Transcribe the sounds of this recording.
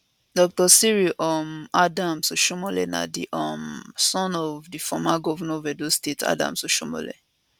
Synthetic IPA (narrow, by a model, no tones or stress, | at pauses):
dɔk̚tɔsiɹiʔɔmadãmsoʃomɔlɛ̰na̰dḭʔɔmsɔ̃nɔvdifɔmaɡɔvɔnɔvɛdostetʰa̰dã̰msoʃomɔ̰lɛ̰